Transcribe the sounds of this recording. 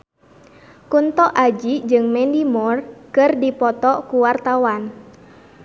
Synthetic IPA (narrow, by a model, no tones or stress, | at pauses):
kunt̪ɔʔad͡ʒid͡ʒɨŋmɛndimɔrkɨrdipɔt̪ɔkuwart̪awan